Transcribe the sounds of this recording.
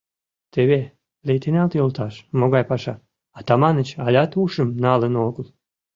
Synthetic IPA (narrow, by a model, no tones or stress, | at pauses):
t̪ʰevʲe | lʲet̪inʲalt̪ilˠt̪ʰaʃmoɡajpaʃa | at̪amanɨt͡ʃalʲat̪uːʃɨmnalˠɨnɔːɡlˠ